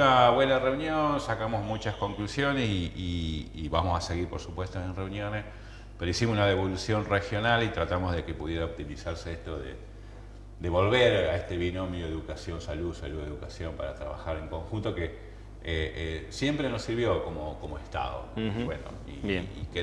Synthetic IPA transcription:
naβwe̞nare̞unjonsakamozmut͡ʃasko̞ŋklusjo̞nesiiiβamosaseɣiɾpoɾsupwe̞st̪oenreunjo̞nes | peɾoisimosunaðeβo̞lusjo̞nrexjo̞nalit̪ɾat̪amo̞zðekepuð̞jeɾaop̚t̪imisaɾseeht̪o̞ðḛ | d̪e̞βo̞lβeɾaeht̪eβinomjoeðukasjo̞nsaluðsaluðeðukasjo̞mpaɾa̰t̪ɾa̰βa̰xaɾeŋko̞ŋxunt̪o̞ke | eesjempɾenosiɾβjo̞ko̞mokomoest̪a̰ðo̰wḛno̰ | ḭike

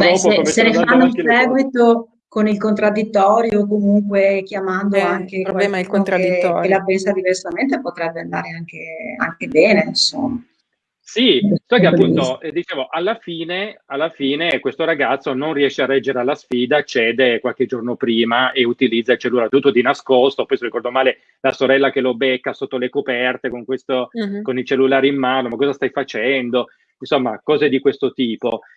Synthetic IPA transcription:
ɛspesenefanːosɛːɡwit̪o | konilkont̪ɾad̪ːit̪ːɔːɾjoːkomuŋkwek̟jamand̪oaŋkewalɛlk̪d̪ilapensad̪ivɛrsament̪epot̪ɾɛbːeand̪a̰ːɾeaŋk̟ea̰ŋkebɛːneinso̰mːa | sisɔkkeapːunt̪oɛd̪it͡ʃeːvoʔalːafiːnealːafiːnekwest̪oɾaɡat̪sːononriɛʃːearːɛd͡ʒːeɾealːasfiːd̪at͡ʃɛːd̪ekwalk̟ed͡ʒornopɾiːmaʔeut̪ilid̪zːait͡ʃelːulaɾet̪ut̪ːod̪inaskost̪opɔjserikɔrd̪omaːle | lasoɾɛlːak̟elobekːasot̪ːolekopɛrt̪ekoŋkwest̪okonilt͡ʃelːulaːɾiimːaːnomakːɔːzast̪ajfat͡ʃɛnd̪o | insomːakɔːzed̪ikwest̪ot̪iːpo

